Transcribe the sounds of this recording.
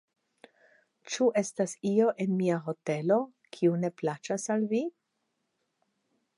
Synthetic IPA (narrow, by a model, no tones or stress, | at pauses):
t͡ʃuʔe̞stasio̞ʔe̞nmiaɦo̞te̞lo̞ | kʰiune̞plat͡ʃasalvi